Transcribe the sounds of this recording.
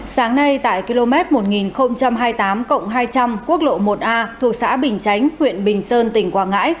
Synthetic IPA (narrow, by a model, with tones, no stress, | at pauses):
saː˨˦ŋna˧jt̪a̰ː˧˨jki˧lo˧mɛ˦˥t̚mo˨˩t̚ŋi˨˩nxə˧wŋ͡mt͡ɕa˧mɦaː˧jt̪aː˨˦mkə̰˧˨wŋ͡mɦaː˧jt͡ɕa˧mku˦˥ək̚lo̰˧˨mo˨˩t̚ʔaː˧t̪ʰu˨˩ək̚sa̰ː˧˥ɓï˨˩ŋ̟t͡ɕa˨˦jŋ̟hwḭ˧˨ənɓï˨˩ŋ̟səː˧nt̪ï˧˩ŋ̟kwaː˧˩ŋa̰ː˧˥j